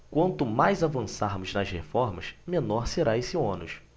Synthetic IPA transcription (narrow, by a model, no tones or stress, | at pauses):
kwɐ̃nt̪ʊmajzavɐ̃saɾmʊznɐzhefɔɾmɐsmenɔɾseɾaesɪõnʊʃ